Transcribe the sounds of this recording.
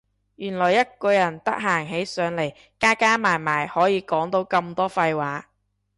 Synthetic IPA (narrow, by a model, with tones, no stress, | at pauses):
jyː˨˩nlɔː˨˩jɐ˥t̚kɔː˧jɐ˨˩nt̪ɐ˥k̚ɦaː˨˩ŋɦe˨˥jsœː˨˧ŋle˨˩j | kaː˥kaː˥maː˨˩jmaː˨˩jhɔː˨˥jiː˨˧kɔː˨˥ŋt̪o˨˥wkɐ˧mt̪ɔː˥fɐ˧jwaː˨˥